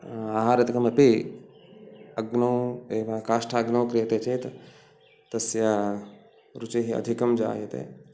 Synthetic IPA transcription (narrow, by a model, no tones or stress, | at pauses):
aːɦaːɾɐt̪kɐmɐpe | ɐɡnɐweːʋakaːʃʈʰaɐɡnɐwkɾet̪et͡ʃet̪ | t̪ɐsja | ɾut͡ʃeɦiɐ̰d̪ʱikɐmd͡ʒa̰ːjet̪ḛː